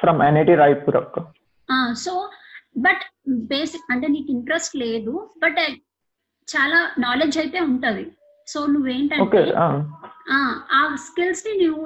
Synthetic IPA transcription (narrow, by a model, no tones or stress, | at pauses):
fɾɐmɛneʈiɾajpuɾɐpː | aːsoːbɐʈbeːsikɐɳʈeːniːkiɳʈɾesʈleːd̪ubɐʈ | t͡ʃaːlaːnaːleːd͡ʒɐjt̪e̞ːuɳʈund̪i | so̞ːnuʋːeːɳʈɐoːkeaaːaːskilsninuːʋu